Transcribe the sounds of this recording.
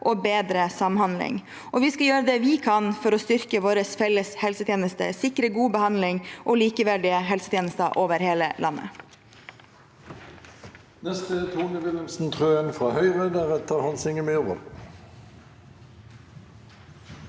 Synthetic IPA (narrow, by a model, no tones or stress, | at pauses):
ʔoːbeːd̪ɾəsɑmhɑnlɪ̰ŋ | ʔɔʋiːskɑjøːɾəd̪ɛʋɪːkʰɑnfɔɾɔst̪ʏɾkəʋoːɾəsfɛləshɛlsət̪ʰjeːnəst̪ə̰sɪkɾəɡuːbəhɑnd̪lɪŋʔoːliːkəʋæɖɪəɦɛlsət̪ʰeːnəst̪əʔoːʋəɾheːləlɑnːə̰ | nɛst̪ət̪ʰuːnɪʋɪləmsn̩t̪ʰʁøːənfʁɑːhœʏʁeːd̪əʁɛt̪ʰəɾhɑnsɪŋəmɛoːʋə̰ɾ